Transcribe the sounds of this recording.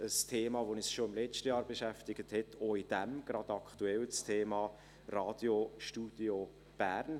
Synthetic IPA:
əstʰeːmɑːʋoːnisʃoɪmlɛt͡ʃtəjɑːɾbeʃæftɪɡ̥əthɛtʰoid̥æmɡ̥ɾɑd̥ɑkʰtuɛlt͡stʰeːmɑː | rɑːd̥joʃtuːd̥jo | b̥æɾn

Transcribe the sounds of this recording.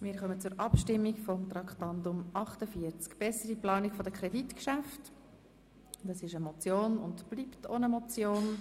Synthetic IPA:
mɪːɾχœmət͡sʊɾʔɑpʃtɪmːikfɔmt̪rɑkχtɑndʊmɑχtəfiəɾt͡skb̥ɛsəɾiplɑːnikfodəkʰɾɛditkʃæft | d̪̥ɑsɪʃəmɔt͡sjoːnʊndb̥liːpto̰nəmɔt͡sjoːn

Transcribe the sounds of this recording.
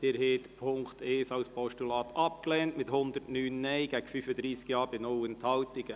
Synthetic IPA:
d̥eːɾhet̪pʰʊŋkt̪eːsɑwspʰɔʃtulɑːt̪ʰɑp̚klɛːntmɪthʊnd̪əɾtnyːnːɛɪɡ̥ɛɡ̥fyfəd̪ɾiːskjɑːɾb̥ɪnowənt̪hɑltɪɡ̥ə

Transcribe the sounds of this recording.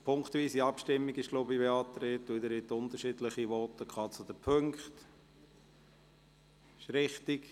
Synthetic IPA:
pʰʊŋkχt̪viːsiɑpʃtɪmːiɡɪʃɡloːbibeɑːt̪ɾeːt̪ud̪əɾɪt̪ʊnt̪əɾʃidləχiʋɔtəkʰχɑːt͡sʊd̥̪əpʰøŋkχt | ɪʃɾɪχtik

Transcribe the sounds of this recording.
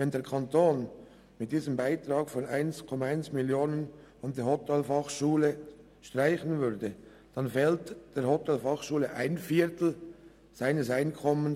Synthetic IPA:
vɛndeːɐɹkʰɑntoːn | mɪt̚d̥iːzəmbaɪtɾɑːɡfɔnaɪnskʰɔmɑaɪnsmɪljoːnən | andeːhɔtɛlfɑχʃuːlə | ʃtraɪçən̩vʏɾdə | d̥ɑnfɛːltd̥eːɾhɔtʰɛlfɑχʃuːləʔaɪnfiːtl̩ | z̥aɪnəsaɪnkʰɔmən

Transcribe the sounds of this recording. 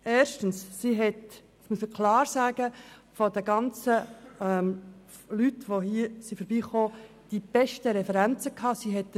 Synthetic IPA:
ʔeːɾʃtən̩ssiɦɛt | smuəsməkʰlɑːɾsaːɡ̥əfodəɡɑnt͡səɛm | lytʋoɦiːsifəɾbiːχoː | d̥ib̥ɛʃtəɾɛfɛɾænt͡səkʰɑːsiɦɛt̚

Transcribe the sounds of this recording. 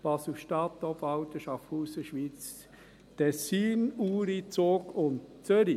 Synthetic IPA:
pɑsuʃtɑt̪ːɔfɑʊtəʃɑfuːsəʃʋiːt͡s | tʰɛsiːnuːɾit͡soːkʊntt͡søɾi

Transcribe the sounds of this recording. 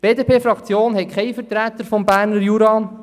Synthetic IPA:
b̥eːdepʰeːfɾɑkt͡sjoːnɦɛkʰɛɪfəɾt̪ɾæt̪əɾfɔmbæːɾnəɾjuɾɑː

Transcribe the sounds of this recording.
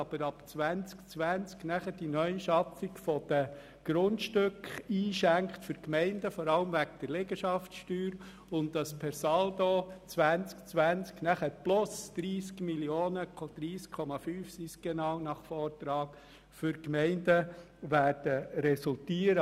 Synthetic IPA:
ɑb̥əɾɑpt͡sʋænt͡skt͡sʋænt͡sknæχədinœʏʃɑfikfɔd̥ə | ɡ̥ɾʊntʃtʏkχiːʃæŋkχtfʏɾkmɛɪndəfɔɾɑləmʋæɡd̥əɾlɪɡəʃɑftʃtyːɾ | ʊntdɑspʰɛɾsɑld̪ot͡sʋænt͡skt͡sʋænt͡sknæχəɾplʊsd̪̥ɾiːskmiljoːnəd̪̥ɾiːskʰːɔmɑfyːfsisɡ̥ɛnɑwnɑχfɔːrtɾɑːk | fʏɾkmɛɪndə | ʋæːrd̥əɾɛsʊltiːəɾə

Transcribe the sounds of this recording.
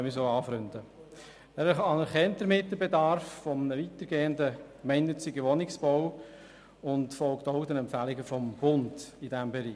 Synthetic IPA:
mɪsolɑːfɾʏndə | æɾɑnəɾχɛntdəɾmɪt̚dəbedɑɾffɔmənəʋit̪əɾɡeːəndəkmɛɪnnʏt͡sɪɡəʋɔnɪksb̥ɔw | ʊntfɔlktɔʊdɛnɛmpfælɪɡəfɔmb̥ʊnd̥idæmbɛɾiː

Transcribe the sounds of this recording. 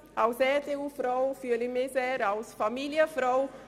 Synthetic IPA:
awsɛt̪eufɾowfylimezɛɾawsfamiliɐfɾow

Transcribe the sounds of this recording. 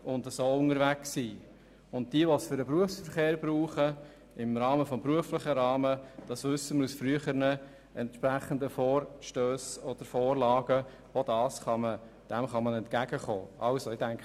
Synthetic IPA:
ʊndəsoːʊŋəɾʋæksiː | ʊnt̚d̥iəʋɔsfʏɾəpɾuəfsfəɾχeːɾb̥ɾuːχə | ɪmɾɑːməfɔmbɾuəflɪχəɾɑːməd̥ɑsʋʏsːəməɾusfryəχəɾnə | ʔɛntʃpɾæχəndəfoːrʃtøːsɔd̥əɾfoːrlɑːɡ̥ə | od̥ɑːsχɑmə | d̥ɛmχɑmənɛnt̚kæɡəχo̰ːʔɑlsoɪdæŋk

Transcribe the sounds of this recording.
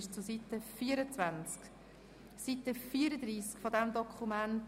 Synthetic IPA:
ʃt͡susit̪əfiːəɾət͡svænt͡sk | sitəfiːəɾəd̪ɾiːskfod̪ɛmdɔkχumænt

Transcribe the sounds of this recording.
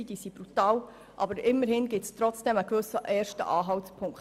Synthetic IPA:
id̥iːsib̥ɾutɑːw | ʔɑbəɾɪmːəɾhɪnɡɪtstɾɔt͡sd̥ɛməkʋʏsəʔɛːɾʃtə̰ʔɑːɦɑwtpʰʊŋk

